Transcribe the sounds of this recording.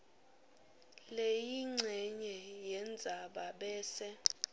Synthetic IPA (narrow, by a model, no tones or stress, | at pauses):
lejiŋ͡ǀʱɛɲɛjɛnd͡zʱaɓaɓɛːsɛ